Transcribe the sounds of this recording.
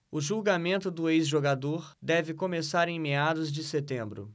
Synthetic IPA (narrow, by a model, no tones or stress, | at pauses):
ʊʒuɡamẽnt̪ʊd̪ʊejzʒoɡad̪oɾd̪ɛvɪkõmesaɾẽj̃mead̪ʊzd͡ʒɪset̪ẽmbɾʊ̰